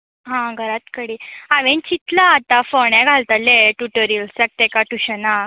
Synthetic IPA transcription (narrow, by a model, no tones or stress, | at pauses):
ɦãɡʱəɾat̪kəɽiːaʋent͡ɕit̪laːt̪afɔɳjãɡʱalt̪aleʈuʈəɾiəlsək̚t̪ɛkaʈuɕəna